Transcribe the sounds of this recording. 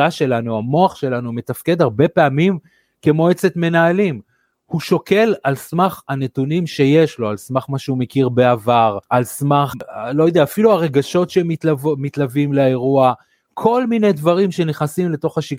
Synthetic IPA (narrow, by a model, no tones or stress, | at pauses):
aʃe̞lanuamo̞aχʃe̞lanume̞t̪afke̞d̪aʁbe̞pe̞amim | kemo̞et͡set̪me̞naːlim | huʃo̞ke̞lalsmaχane̞t̪unimʃeje̞ʃlo̞alsmaχmaʃeume̞kiʁbe̞avaʁalsmaχlo̞jod̪eaːfiluaʁe̞ɡaʃo̞tʃemitlavomit̪lavimlae̞ʁua | kʰo̞lmine̞jd̪vaʁimʃe̞neχnasimle̞t̪o̞χaʃi